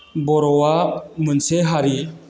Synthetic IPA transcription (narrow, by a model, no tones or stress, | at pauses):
bɔɾɔwamɯnsɛɦaɾi